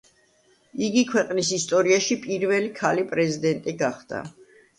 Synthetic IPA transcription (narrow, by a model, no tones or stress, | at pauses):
iɡikʰwɛqʼnisist̪ʼɔɾiaʃipʼiɾvɛlikʰalipʼɾɛzid̪ɛnt̪ʼiɡaχd̪̥a̰